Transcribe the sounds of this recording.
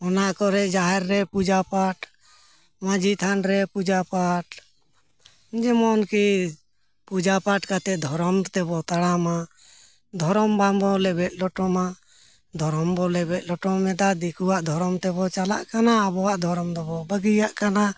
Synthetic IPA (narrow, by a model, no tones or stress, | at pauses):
ɔnaʔkɔɾɛd͡ʒaɦɛɾːɛpud͡ʒapaʈ | mad͡ʒit̪ʰanɾɛpud͡ʒapaʈ | d͡ʒɛmɔnki | pud͡ʒapaʈkat̪ɛd̪ʱɔɾɔmt̪ɛbɔt̪aɽama | d̪ʱɔɾɔmbambɔlɛbɛt̪̚ˀlɔʈɔma | d̪ʱɔɾɔmbɔlɛbɛt̪̚ˀlɔʈɔmɛd̪ad̪ikuwaʔd̪ʱɔɾɔmt̪ɛbɔt͡ʃalaʔkanaːbɔwaʔd̪ʱɔɾɔmd̪ɔbɔbəɡijaʔkana